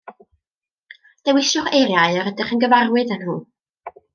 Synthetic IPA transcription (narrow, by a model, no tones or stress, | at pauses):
d̥ɛwɪʃɔχejɾjaɨɔɾədɪχənɡəvarwɨdənhuː